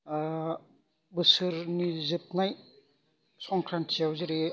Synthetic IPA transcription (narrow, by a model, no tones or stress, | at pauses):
bɯsɯɾnizɯp̚naj | sɔŋkʰɾantʰijawzɯɾe